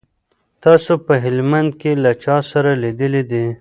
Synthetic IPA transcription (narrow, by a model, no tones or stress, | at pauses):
t̪ɑsopəɦɪlmand̪̚kelat͡ʃɑsaɾalid̪əlid̪i